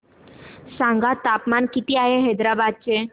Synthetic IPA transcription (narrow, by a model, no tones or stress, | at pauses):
sãŋɡat̪apmankit̪iaɦeɦəd̪ɾabad̪̚t͡ɕe